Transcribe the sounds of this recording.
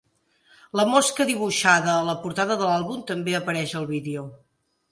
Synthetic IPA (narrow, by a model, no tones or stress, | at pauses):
ləmɔskəðiβ̞uʃaðəːləpuɾt̪aðəðəlalˠβumt̪əmbeəpəɾɛʃəlˠβiðeo